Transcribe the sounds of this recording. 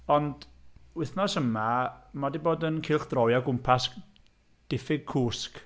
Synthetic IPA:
ɔndwɪθnɔsəmamadiboːdənkʰɪːlˠχd̥rɔjaɡʊmpʰas | d̥ɪfɪɡ̚kʰuːsk

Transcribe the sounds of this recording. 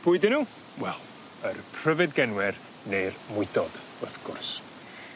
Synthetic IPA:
b̥ʊɨdɪnuː | wɛlˠ | ərpʰr̥əvɨdɡɛnwɛr | nejrmʊɨdɔd̥ | ʊθɡ̥ʊ̰rs

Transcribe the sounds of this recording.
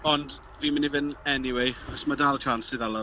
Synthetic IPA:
ɔnd | viːmɪnivɪnɛniwejɔsmadalˠt͡ʃʰansɪðalˠɔ

